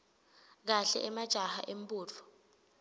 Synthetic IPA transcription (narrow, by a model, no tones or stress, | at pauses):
k̬aɬɛ̰ʔɛmad̥ʒ̥ʱaha̰ʔem̩pʼuːt͡fʰɔ̥